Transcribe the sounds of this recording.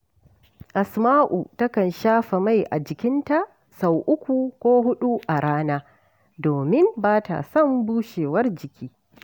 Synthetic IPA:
ʔa˨smaː˦ʔu˨tɐ˦kɐ˨nʃaː˦ɸa˨ma˦jʔa̰˨d͡ʒɪ˨kʲɪ˦nta˨ | sa˨wʔʊ˦kʷu˨kʷoː˦ɦʊ˦ɗu˦ʔa˨ɽaː˦naː˦ | doː˨mɪ˦mbaː˦ta̰˨sɐ˦˨mbuː˦ʃeː˨wɐ˦rd͡ʒɪ˨kʲʰiː˦

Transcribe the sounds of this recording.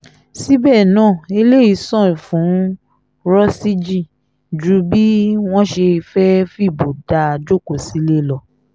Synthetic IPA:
si˦bɛ˦˨nãː˦˨e˧le˦i˧˦sɔ̃˦˨fũ˨˦ | ɾɔ˦si˦d͡ʒi˦˨ | d͡ʒu˦bi˦w̃ɔ̃˦ʃe˧fɛ˦fi˦˨bo˨da˧a˧d͡ʒo˦ko˨si˦le˦lɔ˧

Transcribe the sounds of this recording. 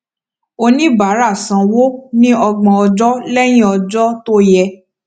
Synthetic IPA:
o˧nĩ˦ba˨˦ɾa˦˨sã˧wo˦nĩ˦ɔ˧ɡ͡bɔ̃˧ɔ˧d͡ʒɔ˦lɛ˦j̃ĩ˦ɔ˧d͡ʒɔ˦to˦jɛ˧

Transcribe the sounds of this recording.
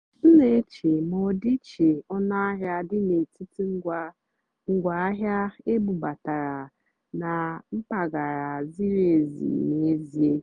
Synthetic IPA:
n̩˦ne˨˦t͡ʃe˨mɔ˨di˦t͡ʃe˨ɔ˦na˦a˦ɦja˦dɪ˦ne˨ti˦ti˦ŋ̩˦ɡʷa˦ | ŋ̩˨ɡʷa˨a˦ɦja˦e˦bu˨ba˨ta˨ɾa˨ | na˨m̩˦pa˨ɡa˨ɾa˨zi˦ɾe˨zḭ˨ne˨e˦zi˨e˦

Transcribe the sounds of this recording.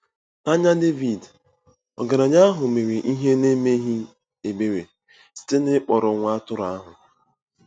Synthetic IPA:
a˦ɲa˦de˦vi˨d | ɔ̰˨ɡa˨ɾa˨ɲa˦a˦ɦʊ˨me˨ɾi˨ʔi˦ɦe˦ne˦me˦ɦi˦ | e˨be˦ɾe˨ | si̥˦te˦nɪ˦k͡pɔ˨ɾɔ˨ŋʷa˦tʊ˦ɾa˦ɦʊ˨

